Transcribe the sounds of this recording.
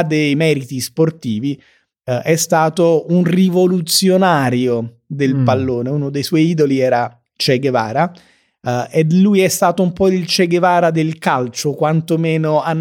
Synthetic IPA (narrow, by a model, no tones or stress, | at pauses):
d̪ejmɛːɾit̪isport̪iːvi | ɛst̪aːt̪ounrivolut̪sjonaːɾjo | d̪elpalːoːneunod̪ejswɔjiːd̪oliɛːɾa | t͡ʃɛɡeva̰ːɾa | ed̪lːujɛst̪aːt̪oumpɔilt͡ʃɛɡevaːɾad̪elkalt͡ʃokwant̪omɛːnoanː